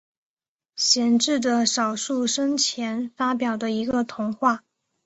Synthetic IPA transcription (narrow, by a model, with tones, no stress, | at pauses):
ɕjɛ˧˥nʈ͡ʂɻ̩˥˩d̪ə˩ʂɑ˨˩ʊʂu˥˩ʂə˥ŋt͡ɕʰjɛ˧˥nfa˥pjɑ˨˩ʊd̪ə˦i˧˥ɡə˧t̪ʰʊ˧˥ŋxwa˥˩